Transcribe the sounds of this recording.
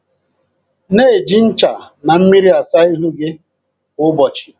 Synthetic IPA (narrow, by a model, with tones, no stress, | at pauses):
ne˦e˨d͡ʒi˨n̩˦t͡ʃa˨ | na˨m̩˦mi˦ɾi˦a˨sa˦i˦ɦu˦ɡe˦ | ʊ˦bɔ˨t͡ʃi̥˨